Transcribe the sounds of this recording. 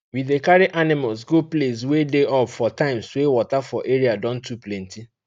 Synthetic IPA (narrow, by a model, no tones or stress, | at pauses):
widekaɾiʔanɪmals̬ɡoples̬wedeɔpfɔtãɪ̃mswewɔtafɔʔeɹiadɔ̃ntuplɛ̃nti